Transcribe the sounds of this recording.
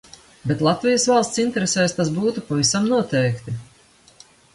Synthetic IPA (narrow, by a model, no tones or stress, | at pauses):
bɛt̪lˠat̪vijɐsvɑlˠst̪sint̪ɛɾesɛːst̪as̬buːt̪upavisamnuɔt̪ɛjkt̪i